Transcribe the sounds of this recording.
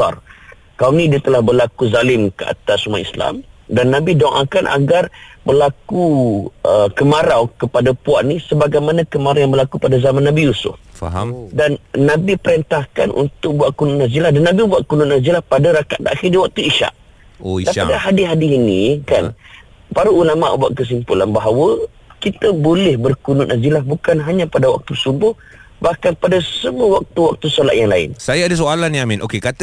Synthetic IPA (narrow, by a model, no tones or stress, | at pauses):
a̰r | kawnĩdiat̪əlahbərlakuzalɪmkəa̰t̪asumaḭsla̰mdanːãbidɔŋʔa̰kanʔa̰ɡarbərlakuəkəmaɾawkəpadapuaʔnisəbaɡajmanãkəmaɾajaŋbərlakupadazamanːãbijusʊ̰f | danːãbipəɾɛnt̪ahkanʔṵnt̪ʊk̚buaʔ̚kunʊʔnazilahdanːabibuaʔkunʊʔnazilahpadaɾakaʔd̪aaxiniwak̚t̪uiʃa̰ʔ | oaadaɦadiɦadiinḭka̰n | paɾuʔulama̰ʔbua̰ʔkəs̬impula̰nbaɦawə | kit̪əbolɛhbərkunʊʔ̪nazilahbukanɦaɲãpadawa̰k̚t̪usubʊh | bahkanpadasəmuəwak̚t̪uwak̚t̪usola̰ʔjaŋlaɪ̰nsajaadas̬oalaniamĩnʔokekat̪ə